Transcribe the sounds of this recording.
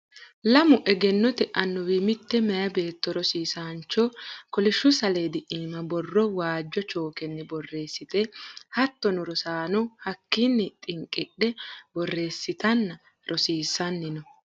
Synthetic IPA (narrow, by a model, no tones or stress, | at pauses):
lɐmʊʔɛɡɛnːɔt̪ɛʔɐnːɔwɪmɪt̪ːɛmɛjɐbe̞ːt̪ːɔɾɔsiːsaːnt͡ʃːɔkɔlɪʃːʊsɐleːd̪ɪʔiːmɐbɔrːɔwaːd͡ʒːɔt͡ʃo̞ːkɛnːɛbɔrːe̞ːsːɪt̪ɛhɐt̪ːɔnɔɾɔsaːnʊhɐkːɪnːɪt̪ʼɪŋkʼːɪɗɛbɔrːe̞ːsːɪt̪ɐnːɐ | ɾʔɔsiːsːɐnːɪnɔ